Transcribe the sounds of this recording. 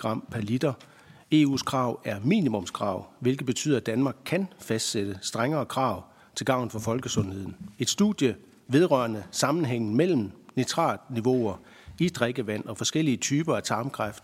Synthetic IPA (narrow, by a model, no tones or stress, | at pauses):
ɑ̈m̰pʰælid̥ɐ | e̝̰ːṵːskʰʁɑ̈ʊ̰æɐmḭːnimɔ̽mskʰʁɑ̈ʊ̰ʋe̝lɡ̥ð̩ˠb̥e̝t͡sʰy̰ð̰ˠɐd̥ænmɑ̈ːɡ̥̚kʰænfæsd̥sed̥əsd̥ʁaŋɐːkʰʁɑ̈ʊ | t͡sʰe̝lɡ̥ɑ̈ʊ̰n̩fɒ̽fɒ̽lɡ̥əsɔ̽nhe̝ð̞̰ˠn̩e̝d̥sd̥uð̥ˠjə | ʋe̝ð̞ˠʁɶɐnəsɑ̈mn̩ɦeŋ̰n̩mel̰m̩net͡sʰʁɑ̰̈ːd̥niʋo̝ɐ | id̥ʁeɡ̥əʋæn̰ɒ̽fɒ̽sɡ̥el̰iət͡sʰyːb̥ɐæt͡sʰɑ̈ːmkʰʁafd̥